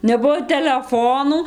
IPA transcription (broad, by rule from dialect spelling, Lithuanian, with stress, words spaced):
nʲɛˈbuɔ tʲɛlʲɛˈfoːnuː